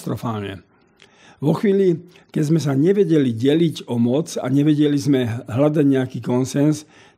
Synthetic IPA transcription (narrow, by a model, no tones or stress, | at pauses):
t̪ɾɔfaːlɲɛ̰ | ʋɔxʋiːli | kɛzmɛs̬aɲɛʋɛɟɛliɟɛliɟɔmɔt͡sa̰ɲɛʋɛɟɛlizmɛɦlad̪aɟɲɛakiːkɔnsɛns